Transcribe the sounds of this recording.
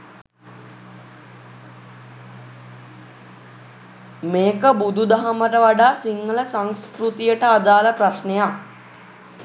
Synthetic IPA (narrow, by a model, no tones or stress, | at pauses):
meːkəbud̪ud̪aɦaməʈəʋaɖaːsiŋːələsaŋskɾut̪ijəʈəad̪aːləprasnejak